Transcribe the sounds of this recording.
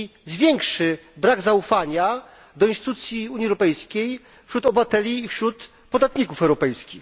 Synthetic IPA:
zvʲjɛŋkʂɘbɾaɡzaufaɲa | d̪ɔinsɪt̪ut̪sʲjiuɲiɛwɾɔpɛjskʲej | fɕɾut̪ɔbvat̪ɛlʲiːfɕɾut̪ | pɔd̪at̪ɲikufɛwɾɔpɛjskʲix

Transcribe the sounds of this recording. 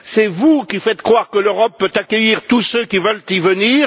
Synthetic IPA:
sɛvukʲifɛt̪kχwaʁkəløʁɔpːøt̪akʲəiʁt̪usøkʲivəlt̪ivəniːʁ

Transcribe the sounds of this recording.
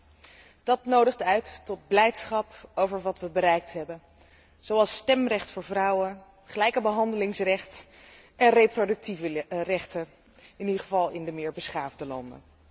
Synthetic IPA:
d̥ɑtnowdəχtœɥtːɔd̚blɛjtsχɑpowvəɹʋɑtʋəbəɾɛjk̚tɦɛbən | z̥owɑlˠstɛmrɛχtfʊːɹvrɑwən | χəlɛjkəbəɦɑndəlɪŋsrɛχtɛnrejprodɵk̚tivrɛχtə | ɪnidəχəvɑlˠɪndəmɪːɹbəsχaːvdəlɑ̰ndə̰n

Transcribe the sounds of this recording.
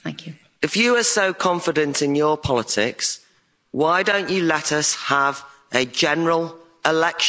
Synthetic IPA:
θæ̃ŋkʰjʉ | ɪfjəəsoʊkʰɒ̃ɱfɪdə̃ntɪ̃njəpʰɒlɪtʰɪ̰ks | waɪdõʊ̃nt͡ʃəlɛtəshəvʔəd͡ʒɛnəɹəl | ɪlɛkʃ

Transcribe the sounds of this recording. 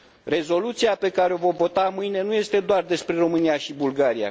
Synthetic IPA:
re̞zo̞lut̪siape̞kaɾeo̞vo̞vo̞t̪amɨjne̞nuje̞st̪e̞d̪oard̪e̞spɾe̞ro̞mɨniaʃibulɡaɾia̰

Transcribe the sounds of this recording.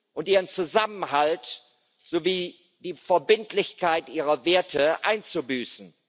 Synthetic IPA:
ʔʊntʔiːʁənt͡suzamən̩halt | z̥oviː | d̥iːfɛɐbɪntʰlɪçkaɪtʔiːʁɐveːɐtʰəʔa̰ɪnt͡subyːsn̩

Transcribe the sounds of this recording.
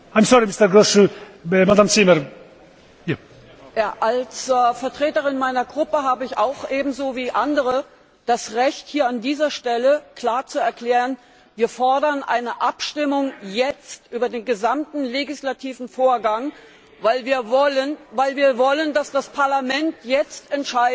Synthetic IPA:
haɪmsɔɾimɪstəɾɡosə | madaːmt͡siməɾ | ja | jaːʔalsfɛɐtʁ̥eːtəʁɪnmaɪnɐɡʁʊpəɦaːbəɪçaʊxʔeːbm̩zoːviːʔandəʁə | d̥asʁɛçthiːɐandiːzɐʃtɛləkl̥aːɐt͡suɛɐkl̥ɛːʁən | viːɐfɔɐdɐnʔa̰ɪnəʔapʃtɪmʊŋjɛt͡stʔyːbɐdeːnɡəzamtn̩leɡɪslatʰiːvn̩foːɐɡaŋ | vaɪlviːɐvɔlənvaɪlviːɐvɔləndasd̥aspʰaɐlamɛntjɛt͡stɛntʃaɪ

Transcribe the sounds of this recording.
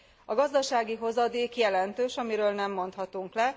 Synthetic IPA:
ɒɡɒzd̪ɒʃaːɡiɦo̞zɒd̪eːkjɛlɛnt̪øːʃɒmiɾøːlnɛmːo̞nt̪hɒt̪uŋklɛ

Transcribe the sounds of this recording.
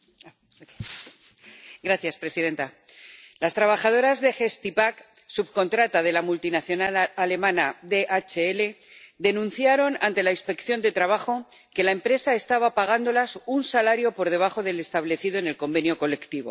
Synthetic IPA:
ɡɾaθjaspɾe̞siðe̞nt̪a | last̪ɾaβ̞axað̞o̞ɾazðe̞xe̞st̪ipak | suβko̞nt̪ɾat̪að̞e̞lamult̪inaθjo̞nalale̞mãnaðe̞ʔat͡ʃeele̞ðe̞nũnθjaɾo̞nant̪e̞lainspe̞kθjo̞nd̪e̞t̪ɾaβaxo̞ | ke̞lae̞mpɾe̞sae̞st̪aβapaɣand̪o̞lasunsalaɾjo̞po̞ɾð̞e̞βaxo̞ðe̞le̞st̪aβle̞θiðoene̞lko̞mbe̞njo̞ko̞le̞kt̪iβo̞̰

